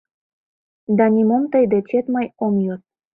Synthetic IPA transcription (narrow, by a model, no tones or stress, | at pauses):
d̪ɑnʲimomt̪əjd̪et͡ɕet̪mɑjomjot̪̚